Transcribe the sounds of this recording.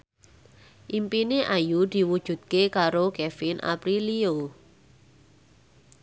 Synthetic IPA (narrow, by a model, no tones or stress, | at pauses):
ʔimpineʔajud̪̥i̤wud̥ʒ̥ṳt̪̚kekaɾokɛfɪnʔa̰pɾilio